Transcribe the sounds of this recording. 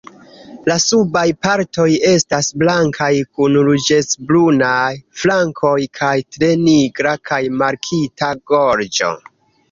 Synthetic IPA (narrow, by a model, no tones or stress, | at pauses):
lasubajpaɾto̞je̞stasblaŋkʰajkunlud͡ʒe̞t͡sblunajflaŋkʰo̞jkʰajtɾe̞niɡɾakʰajmaɾkʰitʰaɡo̞ɾd͡ʒo̞̰